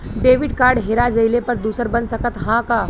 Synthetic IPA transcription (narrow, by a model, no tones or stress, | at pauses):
ɖeːʋɪɖkaːɾɖɦeːɾad͡ʒəjlepəɾd̪uːsəɾbənsəkət̪ɦãkaː